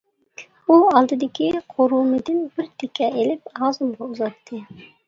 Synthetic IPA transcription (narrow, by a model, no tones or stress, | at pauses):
uɑlˠd̪ɨd̪ɪkʲʰiqʰoɾumɨd̪ɪnb̥ɪɾt̪ʰekʲʰɛelɪpɑːzumʁɑuzɑt̪ʰːɨ